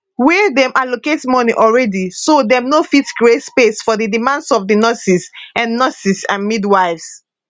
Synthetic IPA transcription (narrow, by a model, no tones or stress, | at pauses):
wɛdɛ̃mʔaloketmɔniʔɔlɹɛdisodɛ̃mnofitkɹietspesfɔðidimãndsɔfdinɔsisãnːɔsisãnmidwaɪvs